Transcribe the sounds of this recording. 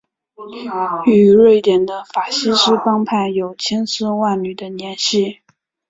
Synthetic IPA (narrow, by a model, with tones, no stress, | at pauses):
y˨˩ɻe˥˩ɪt̪jɛ˨˩nd̪ə˦fa˨˩ɕi˥ʂɻ̩˥fɑ˥ŋpʰa˥˩ɪjo˨˩ʊt͡ɕʰjɛ˥nsɹ̩˥wa˥˩nly˨˩d̪ə˦njɛ˧˥nɕi˥˩